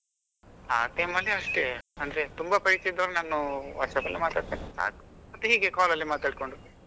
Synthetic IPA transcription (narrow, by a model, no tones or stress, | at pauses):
aːt̪ɐjmɐlːiɐʂʈeɐnd̪ɾet̪umbɐpɐɾit͡ʃeid̪ɐʋɐlɐnaːnuʋɐɾʂɐd̪ɐlːimaːt̪aːɽt̪inisa̰ːkɐ̥mɐt̪ːuɦiːɡekaːlɐlːimaːt̪aːɽ̚ko̞ɳɖu